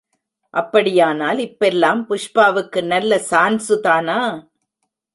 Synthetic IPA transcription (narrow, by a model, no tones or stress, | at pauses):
ʔɐpːɐɽɪjaːnaːlɪpːɛlːaːmpʊʂpaːʋɯkːɯnɐlːɐsaːnsɯt̪aːnaː